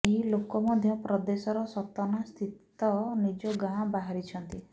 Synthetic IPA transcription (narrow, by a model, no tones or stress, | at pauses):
eɦilokɔmɔd̪ʱjɔpɾɔd̪esɔɾɔsɔkt̪ɔnast̪ʰit̪ | ɔnid͡ʒɔɡãɦbaɦaɾit͡ʃʰɔnt̪i